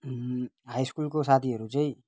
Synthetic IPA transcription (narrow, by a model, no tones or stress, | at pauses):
ɦaːiskuːlkosaːt̪ʰiɦəɾut͡ʃəi